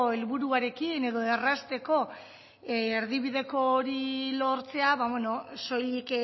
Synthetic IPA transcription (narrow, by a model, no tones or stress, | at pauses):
elβuɾuaɾe̞kine̞ðo̞e̞rast̪e̞ko̞ | eɾðiβiðe̞ko̞ːɾilo̞ɾt͡se̞aβaβeno̞so̞lik